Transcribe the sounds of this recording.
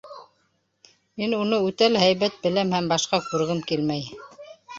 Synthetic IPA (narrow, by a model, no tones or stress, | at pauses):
minunɤʉt̪ælɦæjβæt̪̚bɘ̆læmhæmbɑʃqɑkʉɾɣɘmkilmæj